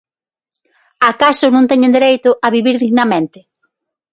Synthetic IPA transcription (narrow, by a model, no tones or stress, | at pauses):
akasʊnõŋt̪ɛɲẽnd̪eɾejt̪ʊʔaβiβiɾðiɣnɐmẽnt̪ɪ